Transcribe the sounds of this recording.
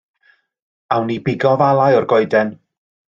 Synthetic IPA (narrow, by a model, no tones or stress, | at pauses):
awnibɪɡɔvalˠajɔrɡɔɨdɛn